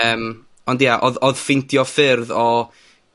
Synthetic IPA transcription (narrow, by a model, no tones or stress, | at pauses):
əːm | ɔndjaʔɔðɔðfɪntʰjɔfɪrðɔ